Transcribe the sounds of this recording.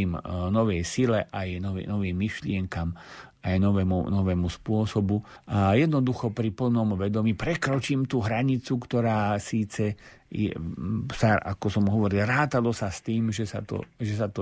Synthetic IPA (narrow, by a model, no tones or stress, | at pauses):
imnɔʋɛjsilɛʔajnɔʋḭnɔʋiːmːiʃlɪɛŋkam | ajnɔʋɛmṵnɔʋɛːmuspʊɔsɔbu | ʔajɛd̪nɔd̪uxɔpɾipl̩nɔmʋɛd̪ɔmiːpɾɛkɾɔt͡ʃiːmt̪uɦɾaɲit͡sukt̪ɔɾaːsiːt͡sɛ | jɛ̰saʔa̰kɔsɔmɦɔʋɔɾilɾaːt̪alɔsast̪iːmʒɛsa̰t̪ɔ̰ʒɛsat̪ɔ